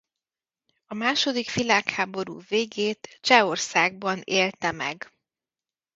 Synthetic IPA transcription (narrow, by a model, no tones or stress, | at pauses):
ɒmaːʃo̞d̪ikʋilaːkhaːbo̞ɾṵːveːɡeːt̪t͡ʃɛo̞rsaːɡ̚bɒneːlt̪ɛmɛ̰ɡ